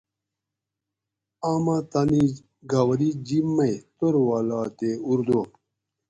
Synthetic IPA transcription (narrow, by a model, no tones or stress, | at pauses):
aːmat̪ani | ɡawɐɾid͡ʑimːɐjt̪oɾwaːlaːt̪euɾd̪o